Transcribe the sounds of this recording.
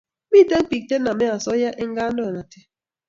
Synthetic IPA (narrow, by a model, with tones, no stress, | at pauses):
mi˦˨te˦m̩˦pi˨k̚te˦na˨me˦a˨sɔ˦ja˦ʔe˦ŋ̩˦ɡa˦nɔ˦˨na˨tɪ˦